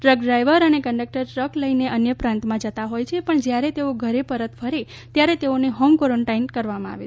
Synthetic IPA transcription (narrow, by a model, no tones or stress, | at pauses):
ʈɾək̚ɖɾajʋəɾənekəɳɖək̚ʈəɾʈɾəkləineʔənjəpɾãnt̪mãd͡ʒət̪aɦojt͡ʃʰepəɳd͡ʒjaɾet̪eoɡʱəɾepəɾət̪fʰəɾe | t̪jaɾet̪eoneɦɔmkoɾoɳʈainkəɾʋamãa̰ʋe